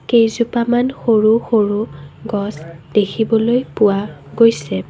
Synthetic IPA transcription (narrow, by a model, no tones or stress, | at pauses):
kejzupamanxoɹuxoɹuɡɔsd̥ekʰibɔlojpʊwaɡojsɛ